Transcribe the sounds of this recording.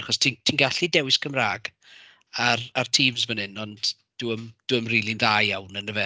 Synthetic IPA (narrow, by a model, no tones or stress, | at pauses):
aχɔstʰintʰiːnɡaɬidɛwɪskʰəmraːɡ | arartʰiːmzvənɨnɔnd̥ | d̥uəmd̥uəmriːlˠinðaːjawnənəvɛ